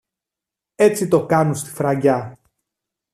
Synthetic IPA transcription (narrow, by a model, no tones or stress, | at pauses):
e̞t͡sit̪o̞kɐnust̪i̥fɾɐɟɐ